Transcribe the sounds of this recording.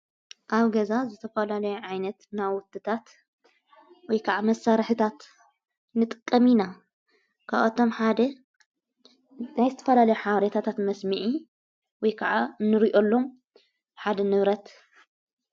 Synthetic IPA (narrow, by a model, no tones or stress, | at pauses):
ʔaβɡɐzazɨt̪ʰɐfɐlalɐjuʕajnɐt̪nawʊt̪ʼːɨt̪ʰat̪ | wɔjkʰaʕamɐsːaɾħɨt̪ʰat̪ | nɨt̪ʼɨ̥kʼːɐmina | kʰaʔat̪ʰo̞mħad̪ɐ | najzɨt̪ʰɐfɐlalɐjuħaβɐɾet̪ʰat̪ʰat̪mɐsmɨʕi | wɔjkʰɐʕanɨɾiʔo̞lːo̞m | ħad̪ɐnɨβɾɐt̪